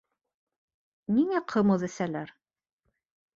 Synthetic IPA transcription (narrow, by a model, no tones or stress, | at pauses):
niŋæqʰɤ̆mɤðæ̆sælæɾ